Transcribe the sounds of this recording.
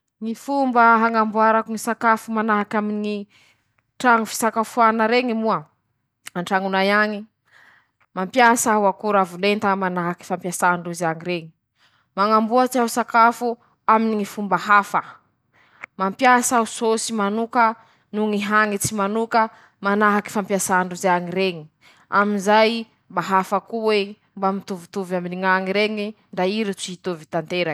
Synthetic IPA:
ŋifumbəɦaŋambuaɾakuŋisakafumanaɦakamini | ʈ͡ʂaŋufi̥sakafuanaɾeŋimua | aɳʈ͡ʂaŋunajaŋi | mampjasawakuɾavulent̪amanaɦaki̥fampjasaɳɖ͡ʐuziaŋiɾeŋi | maŋambuat͡ʃiaɦusakafu | aminiŋifumbaɦafə | mampjasausosimanukə | nuŋiɦaŋit͡simanukə | manaɦaki̥fampjasaɳɖ͡ʐuzaŋiɾeŋi | aminzaj | mbaɦafakuwe | mbamit̪uvut̪uvaminiŋaŋiɾeŋi | ɳɖ͡ʐaiɾit͡siit̪ovit̪ant̪eɾa

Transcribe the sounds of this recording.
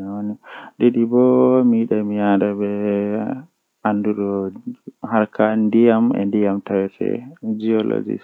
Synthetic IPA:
ɔniɗɛdibɔmiɗamiadabɛ | anduɾɔ | haɾkʰandijamɛ̰ndijamtawɛsɛ̰d͡ʒiɔlɔ̰d͡ʒḭs

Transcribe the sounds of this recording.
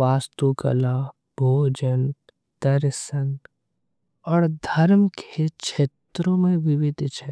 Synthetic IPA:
ʋaːst̪ukə̰la | bʱoːd͡ʒən | d̪̥ɐɾsən | ɔːɾd̪ʱɐɾmkekʃeːt̪ɾõmẽʋɪʋɪd̪ʱt͡ʃʰɛː

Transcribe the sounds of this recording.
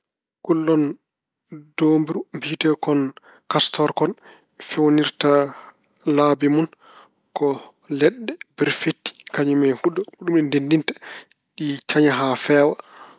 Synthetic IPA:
kulːɔn | doːmbiɾumbid͡ʒitɛkɔn | kastɔɾkɔn | fewniɾta | laːbimun | kɔ | lɛɗːɛbɛɾfetːi̥kaɲimɛjhuɗɔhuɗumɗɛndendintḁ | ɗit͡ʃaɲaɦafɛːwa

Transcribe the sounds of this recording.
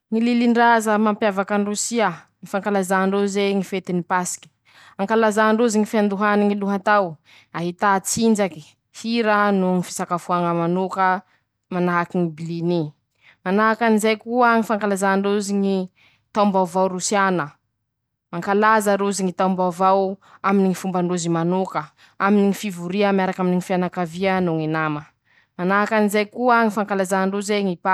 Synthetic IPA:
ŋililiɳɖ͡ʐazəmampjavakaɳrusia | ŋifaŋkalazaɳɖ͡ʐuzeŋifet̪inipasi̥kʲi̥ | aŋkalazaɳɖ͡ʐuziŋifiand̪uɦaniŋiluɦat̪aw | aɦit̪at͡sind͡ʒaki̥ | hiɾənuŋifi̥sakafuaŋəmanukə | manaɦakiŋibilini | manaɦakanizajkuəŋifaŋkalazaɳɖ͡ʐuziɲi | t̪awmbawvawɾusjanə | maŋkalazəɾuziŋit̪aumbawvawaminiŋifumbaɳɖ͡ʐuzimanukə | aminiŋifivuɾiamaɾakaminiŋifianakavianuŋinamə | manaɦakanizajkuaŋifaŋkalazaɳɖ͡ʐuzeŋipa

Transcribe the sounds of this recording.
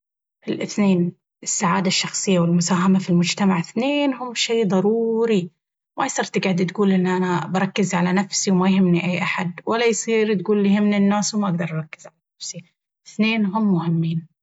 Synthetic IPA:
ɪlʔɪθneːn | ɪsːaʕaːd̪aʃːɑxsˤɨjːawɪlmʊsaːɦamafilmʊd͡ʒt̪amaʕɪθneːnhʊmːʃeːðˤɑɾˤuːɾi | mʔajsˤɨɾt̪ɡaʕd̪t̪ɡuːlʔɪnːʔanabɑɾˤɑkːɪzʕalanafsiwmajɦɪmːniʔajːʔaħad̪wʔalːajsˤiːɾt̪̚ɡuːlːjhɪmninːaːswmaʔaɡd̪ɑɾˤʔɑɾˤɑkːɪzʕalanafsi | ɪθneːnɦʊmːʊhɪmːiːn

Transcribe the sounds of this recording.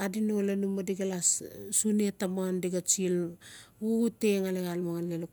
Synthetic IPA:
adinolanumadiɡalassunetamaandiɡat͡ʃiluɡuteŋaleɣalmaanlelo

